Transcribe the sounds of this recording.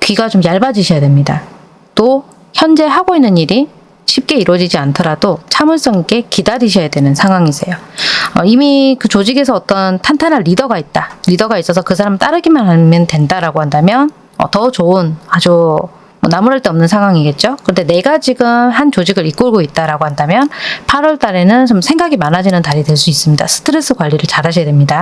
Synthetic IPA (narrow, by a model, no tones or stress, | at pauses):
kɥiɡat͡ɕomjaɭbad͡ʑiɕʰʌjadwe̞mɲida | t͈o | çjʌnd͡ʑe̞ɦaɡoinːɯniɾi | ɕʰip̚k͈e̞iɾwʌd͡ʑid͡ʑiantʰʌɾadot͡ɕʰamɯɭs͈ʌŋeɡe̞kidaɾiɕʰʌjadwe̞nɯnsʰaŋwaŋis͈ejoʌimikɯt͡ɕod͡ʑiɡe̞s̬ʰʌʌt͈ʌntʰantʰanɦanɾidʌɡait̚t͈aɾidʌɡais͈ʌs̬ʰʌkɯsʰaɾamɯɭt͈aɾɯɡimanɦamjʌntwe̞ndaɾaɡohandamjʌn | ʌ̰tʌt͡ɕoɯnad͡ʑu | mʌnamuɾaɭt͈eʌmnɯnsʰaŋɦwaŋiɡe̞t̚t͡ɕ͈okɯʌnde̞ne̞ɡat͡ɕiɡɯmhant͡ɕod͡ʑiɡɯɾik͈oɭɡoit̚t͈aɾaɡoɦandamjʌnpʰaɾʌɭt͈aɾe̞nɯnt͡ɕomsʰe̞ŋɡaɡimanad͡ʑinɯntaɾidwe̞ɭs̬͈uis͈ɯmɲida̰sʰɯ̥tʰɯɾe̞s͈ʰɯkwaʎːiɾɯɭt͡ɕaɾaɕʰʌjadwemɲida